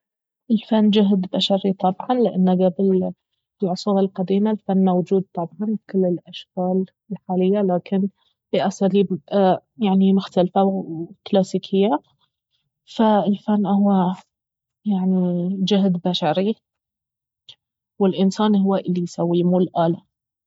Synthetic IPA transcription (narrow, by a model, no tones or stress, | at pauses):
ʔɪlfanːd͡ʒʊɦd̪baʃaɾit̪ˤɑbʕɑnlɪʔanːaɡabɪl | lʕʊsuːɾɪlqɑd̪iːmalfanːawd͡ʒuːd̪̚t̪ˤɑbʕɑnkʊlːɪlʔaʃkaːl | ɪlħaːlɪjːalaːkɪn | b̥ɪʔasaːliːbjaʕnimʊxt̪alfawwklaːsiːkʰɪjːa | faɪlfanːʔhʊwːa | jaʕnid͡ʒʊɦd̪baʃaɾi | wɪlʔɪnsaːnhʊwːaʔɪlːijsawːiːmulʔaːla